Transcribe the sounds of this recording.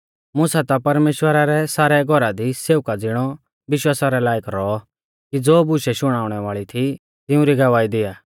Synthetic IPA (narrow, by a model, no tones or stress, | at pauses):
mʊsat̪apɐɾmeːʃwəɾaɾɛsaːɾɛɡʱɔɾad̪iseːʊkad͡zɪɽ̃ɔ | ʋɪʃwaːsaɾɛlaːjɪkɾɔ | kid͡zoːbʊʃɛʃʊɽ̃aːʊɽ̃ɛʋaːɭit̪ʰi | t̪ɪʊ̃ɾiɡɐʋaːid̪ɪjaː